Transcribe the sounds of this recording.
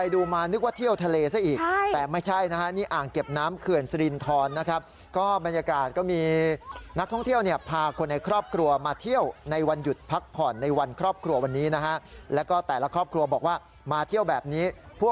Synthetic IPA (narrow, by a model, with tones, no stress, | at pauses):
pa˧jduː˧maː˧nɯ˦˥k̚waː˥˩t̪ʰi˥˩əwt̪ʰa˧leː˧sa˥˩ʔiː˨˩k̚a˥˩t̪ɛː˨˩ma˥˩jt͡ɕʰa˥˩jna˦˥kʰa˦˥niː˥˩ʔaː˨˩ŋke˨˩p̚naː˦˥mkʰɯ˨˩ənsa˧ɾi˧nt̪ʰɔː˧nːa˦˥kʰa˦˥p̚ | kɔː˥˩ba˧njaː˧kaː˨˩t̪̚kɔː˥˩miː˧na˦˥k̚t̪ʰɔ˥˩ŋt̪ʰi˥˩əwni˥˩əpʰaː˧kʰo˧nːa˧jkʰɾɔː˥˩p̚kʰɾu˧ɐmaː˧t̪ʰi˥˩əwna˧jwa˧nju˨˩t̪̚pʰa˦˥k̚pʰːɔː˨˩nːa˧jwa˧nkʰɾɔː˥˩p̚kʰɾu˧ɐwa˧nːiː˦˥na˦˥kʰa˦˥ʔlɛː˦˥wkɔː˥˩t̪ɛː˨˩la˦˧kʰɾɔː˥˩p̚kʰɾu˧ɐbɔː˨˩k̚waː˥˩ | maː˧t̪ʰi˥˩əwbɛː˨˩p̚niː˦˥pʰu˥˩ə